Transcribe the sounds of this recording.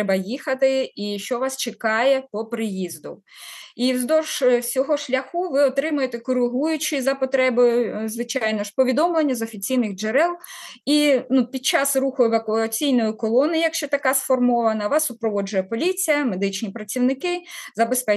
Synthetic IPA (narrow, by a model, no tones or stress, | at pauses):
ɛbɐjixɐt̪ɪiʃt͡ʃɔʋɑst͡ʃekɑjɛpɔpɾɪjizd̪ʊ | iwzd̪ɔʒsʲɔɦɔʃlʲɐxuʋɪɔt̪ɾɪmʊjet̪ɛkɔɾɪɦujʊt͡ʃɪzɐpɔt̪ɾɛbojʊzʋɪt͡ʃɑjnɔʃpɔʋʲid̪ɔmlˠenʲːɐzɔfʲit͡sʲijnɪɣd͡ʒeɾɛlˠinupʲid̪̚t͡ʃɑsruxʊʋɐkʊɐt͡sʲijnɔjʊkɔlˠɔnɪjjɐkʃt͡ʃɛt̪ɐkɑsfɔrmɔʋɐnɐʋɑsːʊpɾɔʋɔd͡ʒʊjɛpɔlʲit͡sʲijɐmed̪ɪt͡ʃnʲipɾɐt͡sʲiwnɪkɪzɐbespɛ